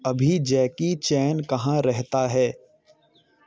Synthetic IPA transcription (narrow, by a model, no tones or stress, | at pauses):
ɐbʱid͡ʒɛːkit͡ʃɛːnkɐɦãɾɛɦt̪aɦɛː